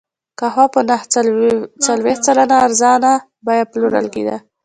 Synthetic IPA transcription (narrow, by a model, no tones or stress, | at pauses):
kahwapənah | t͡salweht̪̚t͡salanaːɾzɑna | bɑjapluɾa̰lɡḭd̪a̰